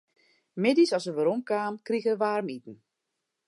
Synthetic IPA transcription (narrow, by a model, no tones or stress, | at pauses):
mɪdisɔsəʋəɾomkaːmkriɣəəʋaːrmitn̩